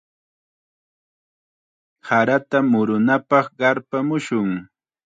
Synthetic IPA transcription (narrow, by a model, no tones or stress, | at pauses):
haɾat̪amʊɾʊnapɑχɢɑɾpamʊʃʊŋ